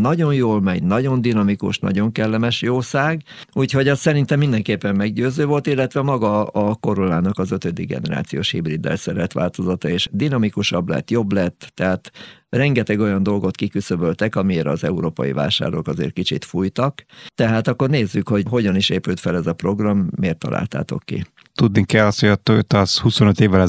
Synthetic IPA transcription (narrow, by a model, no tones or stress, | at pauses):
nɒɟo̞njoːlmɛɟnɒɟo̞nd̪inɒmikṵʃnɒ̰ɟo̞ŋkɛlːɛmɛʃjoːsaːɡ | uːcho̞ɟɒssɛɾint̪ɛmːind̪ɛŋkeːpːɛmːɛɡɟøːzøːvo̞lt̪ilːɛt̪ʋɛmɒɡɒɒko̞ɾolaːnɒkɒzøt̪ød̪iɡɛ̰nɛɾa̰ːt̪sijo̰ːʃhibrid̪ːɛ̰lsɛɾɛt̪ʋa̰ːlt̪o̞zɒt̪ɒeːʃd̪inɒmikuʃɒblɛ̰t̪ːjo̞blɛt̪ːɛɦaːt̪rɛŋɡɛt̪ɛɡo̞jɒnd̪o̞lɡo̞t̪kikysøbølt̪ɛkɒmieːɾɒ̰zɛuɾoːpɒ̰jḭva̰ːʃa̰ːrokɒzḛːrt̪̚kit͡ʃḭt̪fujt̪ɒkt̪ɛɦaːt̪ɒkːo̞rneːzːykho̞ɟɦo̞ɟɒniʃeːpyːt̪fɛlɛzɒpro̞ɡrɒmːeːrt̪ːɒ̰lʔa̰ːlt̪a̰ːt̪o̞̰kːḭ | t̪ud̪nikɛlːɒst̪hojɒt̪ːoøt̪ːɒshusonøt̪eːvːɛlɛ